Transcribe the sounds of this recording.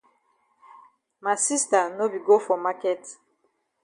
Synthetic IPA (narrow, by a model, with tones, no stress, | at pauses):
ma˨si˦sta˨no˦bi˨ɡo˦fɔ˨ma˦kɛ˦t